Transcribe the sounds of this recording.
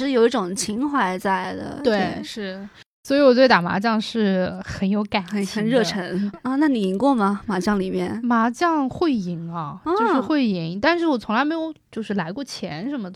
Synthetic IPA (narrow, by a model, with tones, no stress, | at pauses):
ʂɻ̩˥˩jo˨˩ʊi˥˩ʈ͡ʂʊ˨˩ŋt͡ɕʰi˧˥ŋxwa˧˥ɪt͡sa˥˩ɪd̪ə̰˩t̪we˥˩ɪʂɻ̩˥˩ | swɔ˧˥i˧˥wɔ˨˩t̪we˥˩ɪt̪a˨˩ma̰˧˥t͡ɕjɑ˥˧ŋʂɻ̩˥˩˧xə˨˧˥njo˧˥ʊka˨˩˦n˧xə˨˧˩nɻɤ˥˧ʈ͡ʂʰə˧˥n˥˧na˥˩ni˨˩i˧˥ŋkwɔ˥˩mɐ˩ma˧˥t͡ɕjɑ˥˩ŋli˨˩mjɛ̰˥˧nma˧˥t͡ɕjɑ˥˧ŋxwe˥˩ɪi˧˩ŋɐ˧t͡ɕo˥˧ʂʂɻ̩˥˧xwe˥˩ɪi˧˥ŋt̪a˥˧nʂɻ̩˥˩wɔ˨˩t͡sʰʊ˧˥ŋla˧˥ɪme˧˥ɪjo˨˩ʊt͡ɕjo˥˧ʊʂɻ̩˥˩la˧˥ɪkwɔ˥˩t͡ɕʰjɛ̰˧˥nʂə˧˥nmə˧